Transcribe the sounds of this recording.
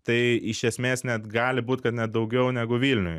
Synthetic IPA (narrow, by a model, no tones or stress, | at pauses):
t̪ɐɪɪʃʲɛsʲmʲeːsnʲɛt̪ɡɑːlʲɪbuːt̪ʲkɐt̪nʲɛt̪̚d̪ɐʊɡʲɛʊnʲæɡʊʋʲiːlʲnʲʊj